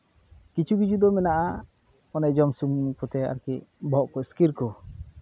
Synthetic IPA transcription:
kit͡ʃʰuɡid͡ʒud̪ɔmɛnaʔa | ɔnajd͡ʒɔmsuŋkɔt̪ɛa̰ɾkiʔ̚bɔʔkɔiskiɾkɔ

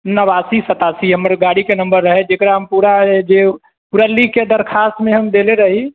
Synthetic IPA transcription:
nəβasisət̪asiɦəməɾɡaɽikenəmbəɾːəɦed͡ʒekɾaɦəmpuɾad͡ʒe | puɾalːiked̪əɾkʰast̪meɦəmd̪eleɾəɦi

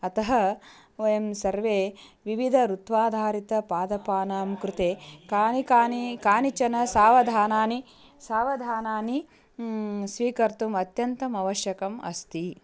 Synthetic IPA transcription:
ɐt̪ɐɦɐ | ojɐmsɐɾʋeːʋiʋid̪ʱɐɾut̪ʋaːd̪ʱaːɾit̪ɐpaːd̪ɐpaːnaːmkɾut̪eːkaːnikaːnikaːnit͡ʃɐnɐsaːʋɐd̪ʱaːnaːni | saːʋɐd̪ʱaːnaːni | sʋiːkɐɾt̪umɐt̪jɐnt̪ɐmɐʋɐʃjɐkɐmɐ̰st̪i

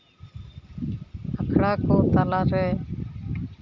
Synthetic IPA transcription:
həkʰɽaːkoːt̪əlaːɾɛː

